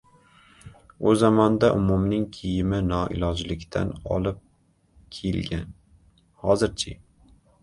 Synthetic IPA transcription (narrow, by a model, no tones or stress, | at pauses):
ʊzamɒnd̪aʔʊmʊmnɪŋkʲʰɪjɪmɪnɒʔɪ̰lˠɒd͡ʒlɪkʲt̪ʰa̰nɒ̰lˠɪp̚ | kʲʰelɡʲan | hɒzɪɾt͡ʃʰɪ